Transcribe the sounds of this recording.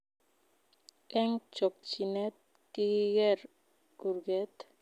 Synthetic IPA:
ʔɛŋt͡ʃɔk̚t͡ʃinɛt̪̚ | kiɡɛɾ | uɾɡɛt̪

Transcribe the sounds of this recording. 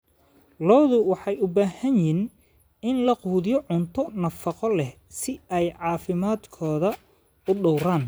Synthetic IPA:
lɔːðʊwɑħɑjʊbaːhɐnjin | ɪnlɐquːðjɔʕʊnt̪ʰɔnɐfɑqɔlɛh | sɪɛjʕɑːfɪmaːd̪kʰɔːðɐ | ʊɖɔwɾaːn

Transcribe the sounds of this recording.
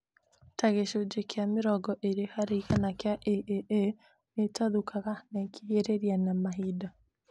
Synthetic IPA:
taɣeʃod͡ʒekjameɾɔɡɔʔeɾehaɾeiɣanakjaʔeʔeʔe | netaðukaɣanɛkiheɾeɾianamaɦida

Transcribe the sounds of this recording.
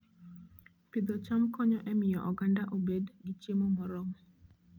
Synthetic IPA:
pɪd̪ɔt͡ʃamkɔɲɔʔɛmɪjɔʔɔɡandaʔobedɡit͡ʃemomɔɾɔŋ

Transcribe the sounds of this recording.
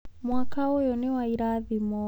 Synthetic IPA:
mwakaɔjɔniwaiɾaðimɔ

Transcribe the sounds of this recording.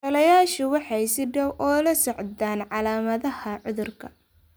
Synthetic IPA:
tɐlɐjaːʃʊwɑħɑjsɪɖɐwʔɔːlɐsɔʕd̪aːnʕɑlaːmɐðɐhɐʕʊðʊrkʰɐ

